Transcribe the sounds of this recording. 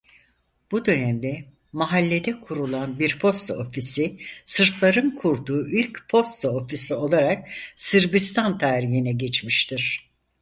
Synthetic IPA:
b̥ud̪ø̞nɛmd̪ɛ | maɦalʲːe̞d̪ɛkʰuɾulˠanbiɾpʰo̞st̪ʰaofisisɯɾt̪lˠaɾɯnkʰuɾd̪uːʔylʲcpʰo̞st̪ʰaofisio̞lˠaɾak̚sɯɾbist̪ʰant̪ʰaːɾiɦinɛɟet͡ʃmiʃt̪ʰiɾ̝̥

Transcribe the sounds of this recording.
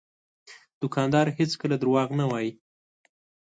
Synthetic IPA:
d̪̥ʊkɑnd̪ɑɾhet͡skəlad̪əɾwɑɣnawɑji

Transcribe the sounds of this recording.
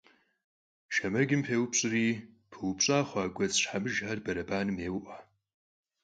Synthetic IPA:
ʃɐmɐɡʲɪmpʰeːwpɕʼɨriː | pʰɨwupɕʼaːχʷaːɡʷɐt͡sʼɕħamɨʒħarbɐɾɐbaːnɨmeːwʔa

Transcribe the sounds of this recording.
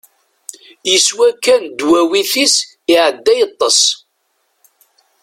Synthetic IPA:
jəswækːænd̪wæwiθis | ɪʕəd̪ːæjət̪ˤːəs

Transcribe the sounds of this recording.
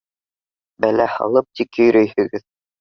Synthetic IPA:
bælæhɑ̰lˠɤp̚t̪ikɵ̆jɾɵjhɘ̆ɡɘð

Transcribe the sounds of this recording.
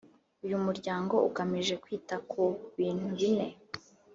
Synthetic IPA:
ujumuɾɟaːŋɡo̞ukamiʒe̞kwiːtakʰuβiːn̥huβine̞

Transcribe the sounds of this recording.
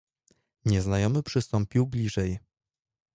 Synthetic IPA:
ɲɛznajɔmɘpʂɘst̪ɔmpʲiwblʲiʐɛj

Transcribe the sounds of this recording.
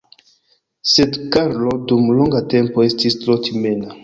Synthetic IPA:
sedkaɾlodumloŋɡate̞mpoe̞stistɾotʰimena

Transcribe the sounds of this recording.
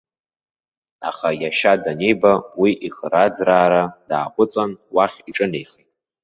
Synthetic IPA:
a̰χajaʃadane̞jbawiʔiχərad͡zraːɾad̥aːqʷʼʊt͡sʼanwaχʲiʈ͡ʂʼɨne̞jχejtʼ

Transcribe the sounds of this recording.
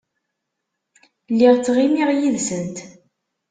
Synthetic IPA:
lːiʁt͡sːʁimiʁjiðsənt̪

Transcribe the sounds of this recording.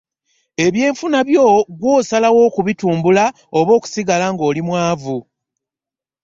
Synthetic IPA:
e̞βje̞ːɱfunaβjo̞ːɡwo̞ːsalawo̞ːkuβituːmbula | o̞βo̞ːku̥siɡalaŋɡo̞ːlimwaːvu

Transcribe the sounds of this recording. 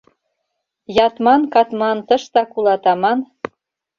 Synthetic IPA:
jɑt̪mɑnkɑt̪mɑnt̪ɤʃt̪ɑkulɑt̪ɑmɑn

